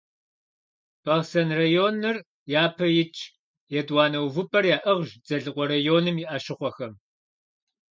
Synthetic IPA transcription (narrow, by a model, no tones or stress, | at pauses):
b̥ɐʁsɐnrɐjoːnɨr | jaːpʰɐjɪt͡ʃʼʰ | jɛdwɑːnɐwvɨpʼɐrjaːʔɐʁʷʒd͡zɐɮɨqʷʼɔɾɐjoːnɨmiʔaʃɪχʷɔxɐm